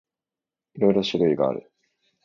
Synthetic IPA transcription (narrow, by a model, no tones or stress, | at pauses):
iɾo̞iɾo̞ɕiɾɯ̟iɡaa̰ɾɯ̟̰